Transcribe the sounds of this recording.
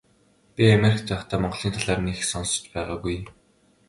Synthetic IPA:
pʲiameɾikt͡saχt̪ʰæːmɔɴɢ̆ɮ̥iːnt̪ʰaɮaːrnixsɔnsɞ̥̆t͡ɕpæːʁaːɣuj̆m

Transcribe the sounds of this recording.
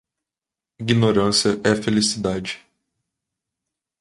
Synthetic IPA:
iɡinoɾɐ̃sjɐʔɛfelisid̪ad͡ʒɪ̥

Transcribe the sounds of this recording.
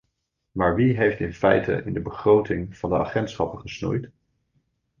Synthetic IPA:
maːɹʋiɦejftɪnfɛjtə̰ʔɪndəbəχrowtɪŋv̥ɑndəa̰χɛntsχɑpəχəsnṵjt

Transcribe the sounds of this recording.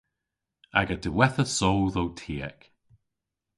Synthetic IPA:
a̰ɡədəwɛθəsowðowtʰiːə̰k

